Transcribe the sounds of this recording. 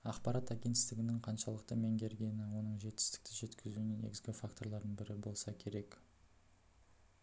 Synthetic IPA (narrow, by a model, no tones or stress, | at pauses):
ɑqpɑɾɑt̪æɡʲe̞nt̪ɪst̪ɪɡʲɪnɪŋqʰɑnʃɑlˠəq̚t̪əme̞ŋɡʲe̞ɾɡʲe̞nɪwo̞nəɴʒe̞t̪ːɪ̥st̪ɪ̥k̚t̪ɪʒe̞t̪kʲɪzunenḛɡʲɪzɡʲɪfakt̪o̞ɾlˠɑɾd̪əɴbɪɾɪbo̞lˠsɑkʲʰe̞ɾe̞k